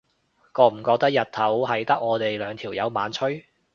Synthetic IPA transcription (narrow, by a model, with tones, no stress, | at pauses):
kɔː˧m̩˨˩kɔː˧k̚t̪ɐ˥k̚jɐ˨t̚t̪ʰɐ˨˥whɐ˨jt̪ɐ˥k̚ŋɔː˨˧t̪e˨jlœː˨˧ŋt̪ʰiː˨˩wjɐ˨˧wmaː˨˧nt͡ʃʰɵ˥